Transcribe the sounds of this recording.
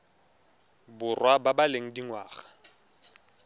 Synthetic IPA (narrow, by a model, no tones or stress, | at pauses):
bʊrwababaleŋ̩diŋwaːɣḁ